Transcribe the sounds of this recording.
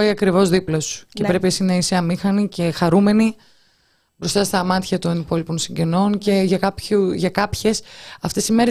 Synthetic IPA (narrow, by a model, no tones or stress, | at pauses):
iɐkɾivo̞zðiplo̞scepɾe̞piɐsinɐiseɐmixɐnice̞xɐɾume̞ni | bɾo̞st̪ɐst̪ɐmɐt̪çɐt̪onipo̞lipo̞nsiɲɟe̞no̞nce̞ʝɐkɐpuʝɐkɐpçe̞sɐft̪e̞sime̞ɾe